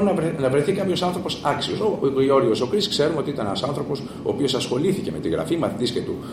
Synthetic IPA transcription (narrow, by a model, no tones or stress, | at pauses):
nɐnɐvɾeθikɐpço̞sɐnθɾo̞po̞sɐksio̞soio̞ɾiosokɾiskse̞ɾumeo̞t̪iit̪ɐnenɐsɐnθɾo̞po̞s | oːpio̞sɐsxo̞liθice̞me̞t̪iɣɾɐ̰fimɐθit̪iscet̪u